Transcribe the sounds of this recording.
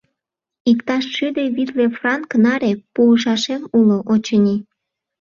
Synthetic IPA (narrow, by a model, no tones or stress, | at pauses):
ikt̪ɑʃʃyd̪eβit̪lefrɑŋknɑɾepuːʃ̬ɑʃemuloʔot͡ɕənʲi